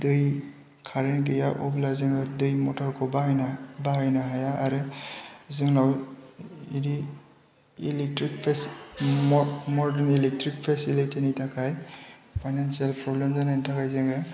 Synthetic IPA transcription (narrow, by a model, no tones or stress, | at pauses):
dɯj | kʰaɾenɡijaʔɔ̰blazɯŋawdɯjmɔtʰɔɾkʰɔbajnabaɦajnaɦajaːɾɯ | zɯŋlaw | idi | ilek̚tɾik̚pʰs | mɔɾdɛnilek̚tɾik̚pʰesilitʰinitʰakʰajpʰajnansijalpɾɔblemzanajnitʰakʰajzeŋɯ